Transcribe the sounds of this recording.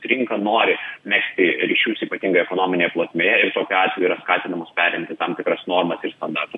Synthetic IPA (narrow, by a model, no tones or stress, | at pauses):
ɾʲɪŋkɐnoːɾʲɪmʲæksʲt̪ʲɪɾʲiːʃʲuːsiːpɐt̪ʲiŋɡɐɛkoːnoːmʲɪnʲeːjɛplˠoːsʲmʲeːjɛɪrt̪oːkʲʊɑːt̪ʲʋʲɛjuiːɾɐskɑːt̪ʲɪnɐmoːspʲæːɾʲɛmʲt̪ʲɪt̪ɐmt̪ʲɪkɾɐsnoːrmɐsɪɾst̪ɐnd̪ɑːt̪ʊ